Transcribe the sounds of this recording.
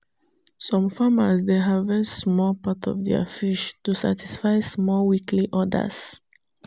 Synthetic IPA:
sɔ̃mfaməsd̪eɦavɛsmɔlpatʰɔ̰vdɛ̰ə̰fiʃtusa̰tʰisfaɪsmɔlwikʰliʔɔdə̰s

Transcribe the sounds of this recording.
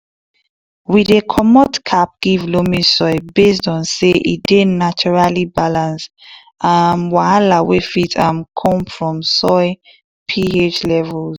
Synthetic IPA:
widðekʰɔmɔtkʰap̚ɡ̥ivlomisɔɪbes̬tɔ̃nseʔḭt̚d̥enat͡ʃɔɹalibalãns | amwahalawefitʰãnkʰɔ̃mfɹɔ̃msɔɪ | pʰiet͡ʃlɛvɛl

